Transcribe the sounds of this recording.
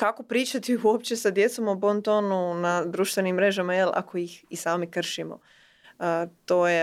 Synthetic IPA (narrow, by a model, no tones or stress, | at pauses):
kako̞pɾiːt͡ʃat̪iuopt͡ɕe̞sad̪je̞t̪somobont̪onunad̪ɾuːʃt̪ʋe̞nimːɾe̞ʒamajelʔa̰ko̞jixisaːmikr̩ʃimo̰ | ət̪oːje